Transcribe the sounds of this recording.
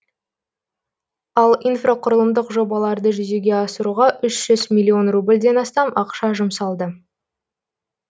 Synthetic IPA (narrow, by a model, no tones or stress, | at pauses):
ɑlˠijnfroqʰʊɾəlˠəmd̪əqʒo̞bɑlˠɑɾd̪əʒʏzeɡʲe̞ɑsəɾuʁɑʔʏʃʒ̥ʏzmʲilʲːio̞nrublʲd̪e̞nɑst̪ɑmɑqʃɑʒʊmsɑlˠd̪ə